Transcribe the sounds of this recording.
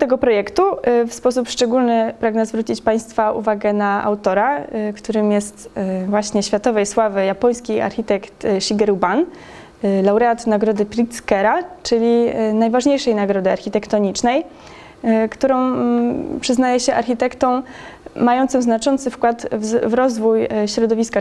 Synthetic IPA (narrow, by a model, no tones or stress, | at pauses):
t̪ɛɡɔpɾɔjɛkt̪ufspɔs̬upʂt͡ʂɛɡulnɘpɾaɡnɛzvɾut͡ɕit͡ɕpaj̃st̪faṵvaɡɛnaʔa̰wt̪ɔɾakt̪uɾɘmjɛst̪vwaɕɲɛɕfʲjat̪ɔvɛjswavɘjapɔj̃skʲia̰ɾxʲit̪ɛkt̪ɕiɡɛɾuban | lawɾɛat̪naɡɾɔd̪ɘpʲɾʲit̪skɛɾat͡ʂɘlʲinajvaʐɲejʂɛjnaɡɾɔd̪ɘaɾxʲit̪ɛkt̪ɔɲit͡ʂnɛj | kt̪uɾɔ̃w̃pʂɘznajɛɕɛʔaɾxʲit̪ɛkt̪ɔ̃w̃majɔnt̪sɨmznat͡ʂɔnt̪sɘfkwat̪vvɾɔzvujɕɾɔd̪ɔvʲiska